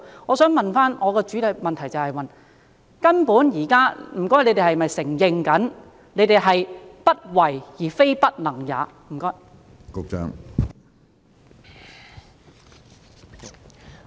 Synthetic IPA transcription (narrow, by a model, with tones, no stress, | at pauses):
ŋɔː˨˧sœː˨˥ŋmɐ˨nfaː˥nŋʔɔː˨˧kɛː˧t͡ʃyː˨˥t̪ʰɐ˨˧jmɐ˨nt̪ʰɐ˨˩jt͡sɐ˨whɐ˨jmɐ˨n | kɐ˥npuː˨˥njiː˨˩kaː˥m̩˨˩kɔː˥jle˨˧jt̪e˨hɐ˨mɐ˨jsɪ˨˩ŋjɪ˨˧ŋkɐ˨˥n | ne˨˧jt̪e˨jɦɐ˨jpɐ˥t̚wɐ˨˩jjiː˨˩fe˥jpɐ˥t̚lɐ˨˩ŋjaː˨˥m̩˨˩kɔː˥ | kʊ˨˧k̚t͡ʃœ̰ː˧˥ŋ